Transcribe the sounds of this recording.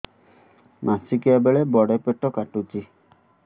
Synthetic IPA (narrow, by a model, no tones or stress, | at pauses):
mʔasikabeɭebɔɽepeʈɔkaʈut͡ʃi